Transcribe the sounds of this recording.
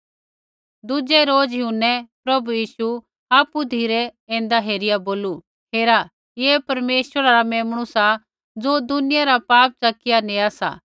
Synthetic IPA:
d̪ʊd͡ʒɛɾoːd͡zjɦunːɛpɾɐbujiːsu | aːpud̪ʱiːɾɛẽːn̆d̪aɦeːɾɪjaboːlu | ɦeːɾa | jeːpɐɾmeːʃʋəɾaɾamɛːmɽ̃ʊsa | d͡zoːd̪ʊnɪjaɾapaːp̚t͡sɐkɪjaneaːsa̰

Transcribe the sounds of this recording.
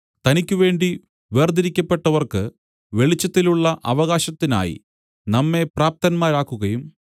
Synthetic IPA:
t̪ɐnikʲːuʋe̞ːɳɖi | ʋeːrd̪iɾikʲːɐpːe̞ʈːɐʋɐrkɨ | ʋe̞ɭit͡ɕːɐt̪ːiluɭːɐʔɐʋɐɣaːɕɐt̪ːina̰ːjḭ | nɐmːe̞praːp̚t̪ɐnmaːɾaːkːuɣɐjum

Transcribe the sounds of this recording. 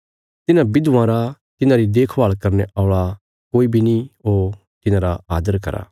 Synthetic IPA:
t̪ɪnãbɪd̪ʋãɾat̪ɪnãɾid̪eːkʰbaːlkɐɾneʔɔːɭa | koːibʱinio | t̪ɪnãɾaaːd̪əɾkɐ̰ɾa̰ː

